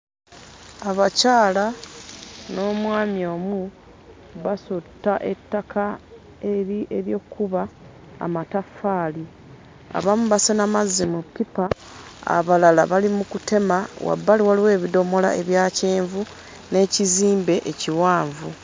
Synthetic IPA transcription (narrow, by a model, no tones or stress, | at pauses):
aβacaːla | no̞ːmwaːmjo̞ːmu | βasotːaʔe̞tːakʰa | eɾiʔeβjo̞ːkːuβa̰ː | matafaːli | a̰βamuβasenamazːimupːipa | a̰βalalaβalimukute̞mawa̰bːaliwaliwe̞ːβido̞mo̞la̰e̞βjaːceːɱvu | ne̞ːciziːmbe̞ʔeciwaːɱvu